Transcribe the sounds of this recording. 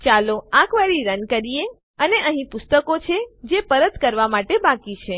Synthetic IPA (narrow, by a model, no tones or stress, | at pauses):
t͡ʃaloãkʋaɾiɾənkəɾije | əneʔəɦĩpʊst̪əkot͡ʃʰed͡ʒepəɾət̪kəɾʋamaʈebakit͡ʃʰe